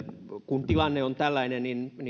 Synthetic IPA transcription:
kunt̪ilɑnːeont̪ælːæinenninni

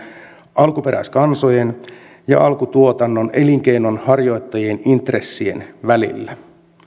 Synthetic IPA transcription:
ɑlkupe̞ɾæ̰iskɑnso̞jen | jɑ̰ʔɑlkut̪uo̞t̪ɑnːo̞neliŋk̟e̞jno̞nhɑrjo̞jt̪ːɑjienint̪re̞sːie̞̰nʋælḭlːæ

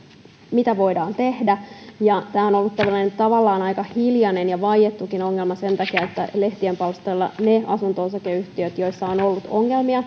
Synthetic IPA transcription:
mit̪æʋo̞idɑːnt̪e̞hdæjɑt̪æːo̞nolːut̪ːæʋlːænent̪ɑʋɑlːɑːnɑikɑhiljɑnenjɑʋɑjjet̪ːukino̞ŋːelmɑse̞nt̪ɑkiɑet̪ːæleht̪iempɑlst̪elːɑ̰neɑsunt̪oːsɑkeyht̪iøt̪jo̞isːɑonolːut̪oŋːe̞lmiɑ

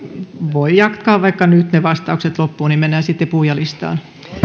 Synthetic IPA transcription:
ʋoijɑkt̪kɑːʋɑikːɑnyt̪neʋɑst̪ɑukset̪lopːuːnimmenːæːsit̪ːepuhjɑlist̪ɑ̰ːn

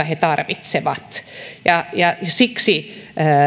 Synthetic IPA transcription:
ɑhet̪ɑrʋit̪seʋɑt̪jɑjɑsiksi

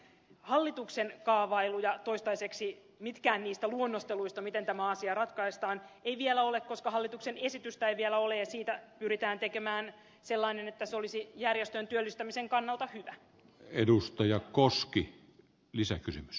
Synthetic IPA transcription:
hɑlːit̪uksenkɑːʋɑilujɑt̪oist̪ɑiseksi | mit̪kæːnniːst̪æluonːost̪eluist̪ɑmit̪ent̪æmæɑsiɑrɑt̪kɑist̪ɑːneiʋielæolekkoskɑhɑlːit̪uksenesit̪yst̪æeiʋielæolejsiːt̪æpyrit̪æːnt̪ekemæːn | selːɑinenet̪ːæseolisijærjest̪ønt̪yølːist̪æmiseŋkɑnːɑlˠt̪ɑhyʋæ | edust̪ɑjɑkoski | lisækysymys

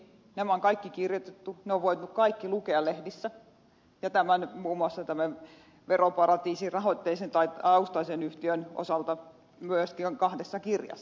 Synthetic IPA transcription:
nemæoŋkɑikːikirjot̪et̪ːuneoʋʋoit̪nukkɑikːilukeɑllehdisːæ | jɑt̪æmænmuːmuɑsːɑt̪æmæ | ʋeropɑrɑt̪iːsirɑhot̪ːeisent̪ɑit̪ɑust̪ɑisenyht̪iøno̰sɑlt̪ɑ | myøskiŋkɑhdesːɑkirjɑ̰sː

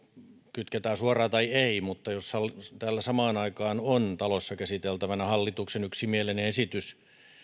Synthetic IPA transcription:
kyt̪ket̪æːsuɑrɑːt̪ɑieimut̪ːɑjoshɑlt̪æːlːæsɑmɑːnɑikɑːnont̪ɑlosːɑkæsit̪elt̪æʋænæhɑlːit̪uksenyksimieleneesit̪ys

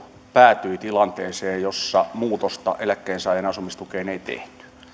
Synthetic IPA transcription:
pæːt̪yit̪ilɑnt̪eːseːjjosːɑmuːt̪ost̪ɑ̰ʔelækːeːnsɑˑijenɑsumist̪ukeːneit̪ḛht̪y̥

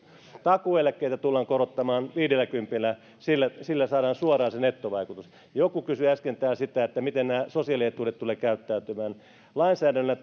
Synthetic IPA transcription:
t̪ɑkuelækːˑeit̪æt̪ulːɑːŋkorot̪ːɑmɑːnʋiːdelːˑækympilːæ | silːæsilːæsɑːɾɑːnsuɑrɑːsenet̪ːoʋɑikut̪us | jokukysyæskent̪æːsit̪æet̪ːæmit̪ennæːsosiɑliet̪uːret̪t̪uleːkæyt̪ːæyt̪ymæːn | lɑinsæːdænːlːæ

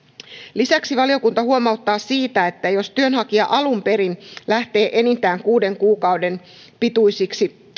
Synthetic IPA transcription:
lisæksiʋɑlio̞kunt̪ɑhuo̞mɑut̪ːɑːsiːt̪æe̞t̪ːæjo̞st̪yønhɑkiɑ̰ʔɑlumpe̞ɾinlæht̪e̞ːʔe̞nit̪æːŋkuːde̞ŋkuːkɑwde̞n | pit̪ujsiksi

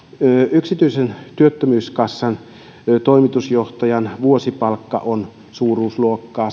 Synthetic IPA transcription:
yksit̪yisent̪yøt̪ːømyːskɑsːɑn | t̪oimit̪usjoht̪ɑjɑnʋuosipɑlkːɑ̰ʔon | suːruːsluokːɑː

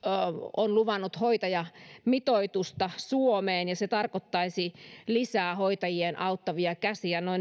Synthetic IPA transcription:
onluʋɑnːut̪hoit̪ɑjɑmit̪oit̪ust̪ɑsuomeːnjɑset̪ɑrkot̪ːɑisilisæːhoit̪ɑjienʔɑut̪ːɑʋiɑkæsiænoin

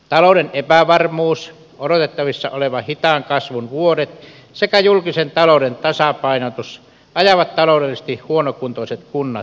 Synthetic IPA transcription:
t̪ɑloˑdenʔepæʋɑrmuːs | oɾot̪et̪ːɑʋisːɑ̰oleʋɑhit̪ɑŋkɑsʋunʋuodet̪ | sekæjulkisent̪ɑloˑudent̪ɑsɑpɑˑinot̪us | ɑjɑʋɑt̪t̪ɑloˑudelːisĕ̥t̪ihhuonokunt̪oˑiset̪kunːɑt̪

